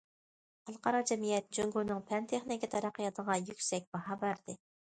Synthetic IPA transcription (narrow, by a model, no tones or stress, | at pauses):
χɑlˠqɑɾɑd͡ʒɛmijɛt̪̚d͡ʒøŋɡunɨŋpʰɛnt̪ʰeχnɪkʲit̪ʰɑɾɑqːəjɑt̪ʰəʁɑjykʲsɛk̚ʲb̥ɑhɑbæɾd̪ɪ